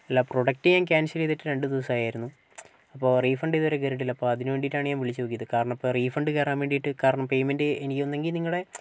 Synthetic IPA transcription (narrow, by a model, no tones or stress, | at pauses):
ɐlːɐpro̞ɽɐk̚tɨɲaːnkʲaːnsɐleðɐtːɨɾe̞ɳɖɨd̪iːɐsaːjaːjɾunːu | ɐpːo̞ːriːfɐɳɖiðoɾeɡeɾiʈːilːɐpːoːɐðinɨʋeɳɖijʈːaːɳɨɲaːnʋiɭit͡ɕːɨt̪okːijɐðɨkaːɾɐɳɐmɐpːoːriːfɐɳɖɨkeraːnʋe̞ːɳɖijiʈːɨkaːɾɐɳɐmpe̞jmendɨenikʲːo̞nːe̞ŋɡilniŋːɐɽe̞